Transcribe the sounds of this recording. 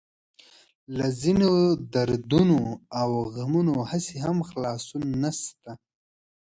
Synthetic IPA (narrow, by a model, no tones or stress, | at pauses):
lazinod̪aɾd̪unoawɣamunohaseɦamxlɑsunːast̪a